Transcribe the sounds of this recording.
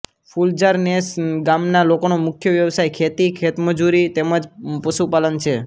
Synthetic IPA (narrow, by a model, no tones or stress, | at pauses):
fʰuld͡ʒaɾnesɡamnalokonomʊkʰjəʋjəʋsajkʰet̪ikʰet̪məd͡ʒuɾit̪eməd͡ʒpəʃupalənt͡ʃʰe